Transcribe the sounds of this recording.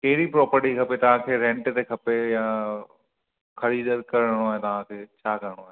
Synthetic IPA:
kɐɦɪɾipɾɔːpəɾʈikʰɐpet̪ɐʋ̤ãkʰeːɾẽɳʈt̪ekʰɐpejãː | kʰɐɽid̪əɾkɐɾəɽ̃oaːet̪ɐʋ̤ãkʰeːt͡ɕʰaːkɐɾəɽ̃oaːɦe

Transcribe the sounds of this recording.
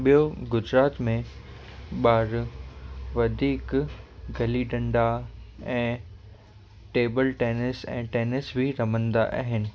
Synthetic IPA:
ɓijoɡʊd͡ʑɾaːt̪mẽ | ɓaːɾ | ʋɐd̪ʱiːkɡʱɐliɖɐ̃ɳɖaɛ̃ː | ʈeːbəlʈeːnɪsɛ̰̃ːʈeːnɪsbʱiɾɐmə̃nd̪a̰ʔa̰ːɦɪnɪ̆

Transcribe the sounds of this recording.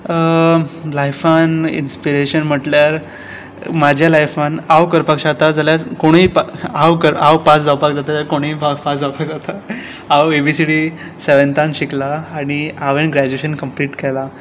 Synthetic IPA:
əlajfanḭnspiɾeɕənm̤əʈljaɾ | mad͡ʑʱjalajfʋãnawkəɾpakɕaɡt̪ad͡zaljat͡skoɽ̃iːpaawkəɾawpasd͡zawpak̚d͡zat̪at̪aɾkoɽ̃iːpapasd͡zawpakd͡zat̪ʰa | awebisiɽi | seʋənt̪anɕiklaːɽ̃iaʋenɡɾad͡ʑueɕənkəmpliːʈkɛla

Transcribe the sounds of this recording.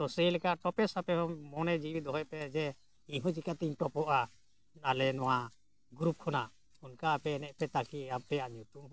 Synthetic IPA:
t̪ɔseilkaʈɔpɛsapɛɦɔmɔnɛd͡ʒibid̪ɔɦɔjpɛd͡ʒɛ | iɦɔ̃d͡ʒikat̪iɲʈɔpɔʔa | alɛnɔwa | ɡɾup̚kʰɔna | unkaːpɛnɛʔ̚pɛt̪akiapɛaɲut̪um

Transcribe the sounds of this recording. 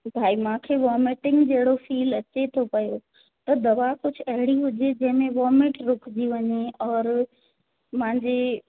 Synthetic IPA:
bʱaːimãːkʰeːʋɔːmeʈɪ̃ŋɡd͡ʑɐɦɪɽofiːlɐt͡ɕet̪ʰopɐjo | t̪ɐd̪ɐʋakʊd͡ʑʱʊ̆ɐɦɪɽiɦʊd͡ʑed͡ʑɐ̃ɦɪ̃mẽʋɔːmɪʈɾʊkʰd͡ʑiʋɐɲeɔːɾ | mãɦɪ̃ɲd͡ʑe

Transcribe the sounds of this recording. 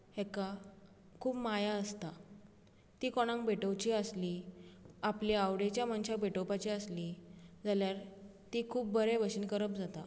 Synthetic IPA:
hɛka | kʰuːpmajaəst̪a | t̪iːkoɽ̃ãŋk̚beʈəwt͡ɕiːəsli | apliawɽet͡ɕjamanɕak̚beʈəwpat͡ɕiəslid͡zaljaɾt̪ikʰuːp̚bʱəɾeʋəɕinkəɾəp̚d͡zat̪a

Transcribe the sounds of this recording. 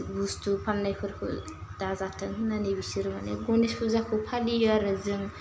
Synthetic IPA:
bustʰupʰamnajpʰɯɾkʰṵd̥azatʰɯŋnanibisiɾmanḛɡɔnespʰuzakʰupʰaliaɾɯzɯŋ

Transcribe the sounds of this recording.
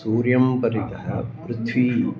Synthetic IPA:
uːɾjɐmpɐɾit̪ɐɦɐ̰pɾʊt̪ʰʋiː

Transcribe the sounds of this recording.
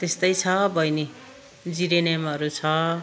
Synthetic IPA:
t̪est̪ʌjt͡sʰʌbʱʌjne | d͡ziɾenamʌɾut͡sʰʌ

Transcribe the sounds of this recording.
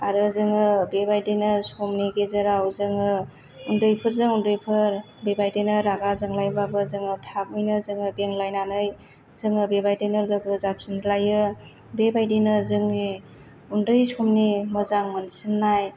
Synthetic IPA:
aɾɯzɯŋɯbebajdinɯsomniɡezɯɾawzɯŋɯ | undɯjpʰɯɾzɯŋundɯjpʰɯɾ | bebajdejnɯɾaɡazɯŋlajbabɯzɯŋɯtʰak̚ujnɯzɯŋɯbeŋlajnanɯj | zɯŋɯbebajdenɯlɯɡɯzap̚sɯnzlajɯ | bebajdinɯzɯŋni | undɯjsʰomnimɯzaŋmɯnsɯnːaj

